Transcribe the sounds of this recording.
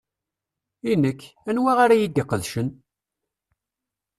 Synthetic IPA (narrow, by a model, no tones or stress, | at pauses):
inəkːænwaʁaɾajid̪iqːəðʃən